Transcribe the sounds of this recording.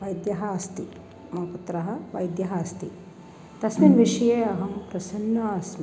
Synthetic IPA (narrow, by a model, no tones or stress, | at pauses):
ʋɐjd̪jɐɦɐɐst̪i | mɐput̪ɾɐɦɐ̆ʋɐjd̪jɐɦɐːst̪i | t̪ɐsminʋiʃɐjeːɐɦɐmpɾɐsɐnːɐɐsmi